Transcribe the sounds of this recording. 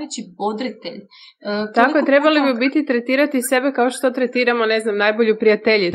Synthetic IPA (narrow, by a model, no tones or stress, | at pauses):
et͡ɕipod̪ɾet̪eʎ | t̪akkoet̪ɾe̞balibibit̪it̪ɾet̪iːɾat̪ise̞bekao̞ʃt̪ot̪ɾet̪iːɾamone̞znamnajbo̞ʎupɾijat̪eʎi